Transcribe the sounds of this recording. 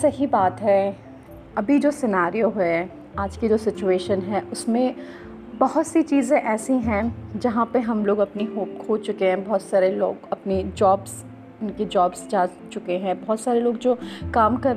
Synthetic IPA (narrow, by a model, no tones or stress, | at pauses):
sɐɦibaːt̪ɦɛː | ɐbʱid͡ʒoːsɪnaːɾijoɦɛe | aːd͡ʒkid͡ʒoːsɪt͡ʃueːʃənɦɛːʔʊsmẽ | bɐɦʊt̪sit͡ʃiːzẽʔɛːsĩɦɛ̃d͡ʒɐɦãpɐɦɐmloːɡɐpniɦoːpkʰoːt͡ʃʊkeɦɛ̃bɔɦt̪saːɾelo̰ːɡɐpnid͡ʒɔːbz | ɪnked͡ʒɔːbzd͡ʒaː | t͡ʃʊkeɦɛ̃bɔɦɔt̪saːɾeloːɡ̚d͡ʒoːkaːmkɐɾ